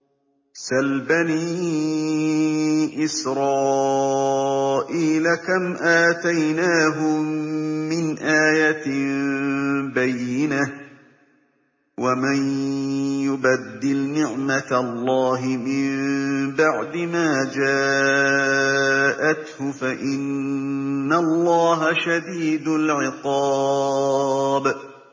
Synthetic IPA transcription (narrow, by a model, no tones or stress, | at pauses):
salbaniː | ʔɪsɾˤɑː | ʔiːlakamʔaːt̪ajnaːɦʊ | mɪnʔaːjatmbajːɪna | waman | jʊbad̪ːɪlnɪʕmat̪lˤːɑːɦɪmɪmbaʕd̪ɪmaːd͡ʒaː | ʔat̪hʊfaʔɪnː | alˤːɑːɦaʃad̪iːd̪ʊlʕɪqɑ | b